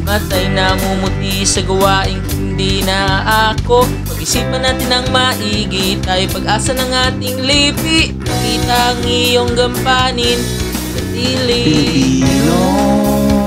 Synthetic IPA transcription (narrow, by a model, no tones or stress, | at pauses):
mɐt̪ɐjnɐmumʊt̪isɐɡɐwaːʔɪŋhɪnd̪inɐʔako̞ | pɐɡɪsiːp̚mɐnːaːt̪ɪnɐŋmaʔiɡit̪ajpɐɡʔaːsɐnɐŋaːt̪ɪŋlipɪʔmɐkiːt̪ɐʔŋɪjoŋɡɐmpaːnɪn | sɐt̪iːli | o